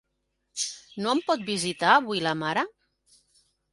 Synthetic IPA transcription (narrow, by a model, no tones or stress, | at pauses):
noəmpɔt̪̚bizit̪aːβujlamaɾa